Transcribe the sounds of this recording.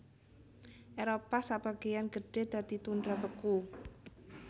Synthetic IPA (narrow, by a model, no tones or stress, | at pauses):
ʔeɾopasab̥aɡ̥ejanɡəɖ̥e̤d̪̥a̤d̪̥it̪und̪ɾapəku